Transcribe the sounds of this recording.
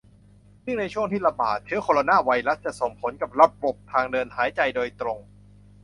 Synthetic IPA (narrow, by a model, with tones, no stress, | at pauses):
sɯ˥˩ŋna˧jt͡ɕʰu˥˩əŋt̪ʰiː˥˩la˧ba̰ː˨˩t̪̚t͡ɕʰɯː˦˥kʰoː˧la˧naː˥˩wa˧jla˦˥t̪̚t͡ɕa˨˩so˨˩ŋpʰo˩˦˥nka˨˩p̚ɾa˦˥p̚bo˨˩p̚t̪ʰaː˧ŋdɤː˧nhaː˩˦jt͡ɕa˧jdoː˧jt̪ɾo˧ŋ